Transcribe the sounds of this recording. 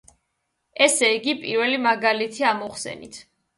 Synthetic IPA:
ɛsɛiɡipʼḭɾvɛlimaɡalit̪ʰiamɔχsɛ̰nḭt̪ʰ

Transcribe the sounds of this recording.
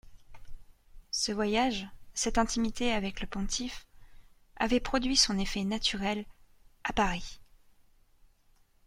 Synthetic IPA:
səvwajaʒsɛt̪ɛ̃t̪ʰimit̪eavɛkləpɔ̃t̪ʰif | a̰vɛpχɔd̪ɥisɔ̃nefɛnat̪yʁɛlapaʁi

